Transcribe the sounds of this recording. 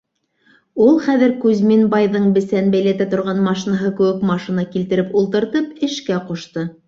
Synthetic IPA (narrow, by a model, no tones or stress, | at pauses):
ulˠχæðɘɾkʉzminbɑjðɤɴbɘ̆sænbæjlæt̪æt̪ŏɾʁɑnmɑʃinɑɦɤkɘ̆wɘkmɑʃinɑkilt̪ɘ̆ɾɘpulˠt̪ɤ̆ɾt̪ɤpɘ̆ʃkæquʃt̪ɤ